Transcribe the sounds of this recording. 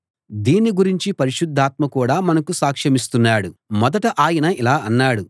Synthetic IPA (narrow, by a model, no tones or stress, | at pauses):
d̪iːnːiɡuɾiɲt͡ʃipɐɾiʂud̪ʱːaːt̪mɐkuːɽaːmɐnɐkusaːkʂɐmist̪unːaːɽumɔd̪ɐʈɐʔaːjɐnɐilaːɐnːaːɽu